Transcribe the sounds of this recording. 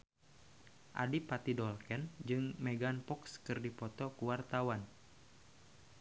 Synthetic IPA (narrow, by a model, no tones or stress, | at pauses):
ʔa̰dipat̪idɔlkɛnd͡ʒɨŋmɛɡanpɔkskɨrdipɔt̪ɔkuwart̪awan